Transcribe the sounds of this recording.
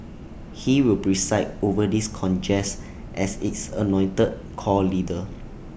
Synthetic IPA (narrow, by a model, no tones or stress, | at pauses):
hiwilpɹisaɪtovədiskʰɔ̃nd͡ʒɛs | ʔɛsitsə̰nɔ̃ɪ̃ntəd̚ | kʰɔlidə